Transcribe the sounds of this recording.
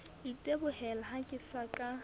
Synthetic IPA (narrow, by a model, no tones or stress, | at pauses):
itʼebʊɦɛlaɦakʼɪsakʼa